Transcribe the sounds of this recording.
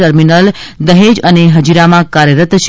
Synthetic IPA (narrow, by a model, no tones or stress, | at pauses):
əɾminəld̪əɦed͡ʒəneɦəd͡ʒiɾamãkaɾjəɾət̪t͡ʃʰ